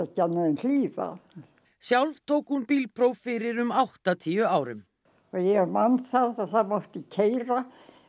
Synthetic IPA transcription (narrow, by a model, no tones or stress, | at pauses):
ɛcɛnːaðɪnliːva̰ | sjawlv̥t̪ʰoːwkhunpiːlpʰɾoːwfɪɾɪɾʏmawht̪at̪ʰiːjʏaːwɾʏm | ɔɣjɛmanθaðaðθaðmawht̪ɪcʰejɾa